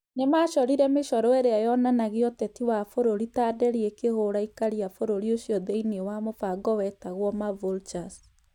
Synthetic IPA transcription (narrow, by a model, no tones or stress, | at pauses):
ɲemaʃɔɾiɾɛmeʃɔɾɔeɾeajɔnanaɣiɔtɛtiwafoɾoɾitaːdɛɾiekehoɾaikaɾiafoɾoɾioɕjɔðeinewamofaɡɔwɛtaɣwɔmavolt͡ʃas